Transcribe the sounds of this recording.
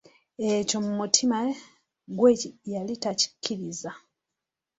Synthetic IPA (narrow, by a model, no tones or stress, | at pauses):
eco̞mumutʰima | ɡwejalitaci̥kʰːiɾiza